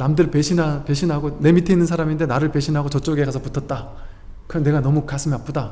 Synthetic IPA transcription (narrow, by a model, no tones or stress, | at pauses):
namdɯɭpeɕʰinape̞ɕʰinɦaɡone̞mitʰe̞inːɯnsʰaɾaminde̞naɾɯɭpe̞ɕʰinɦaɡot͡ɕʌt͡ɕ͈oɡe̞ɡasʰʌputʰʌt̚t͈a | kɯɾʌnne̞ɡanʌmukasʰɯmap͈ʰoda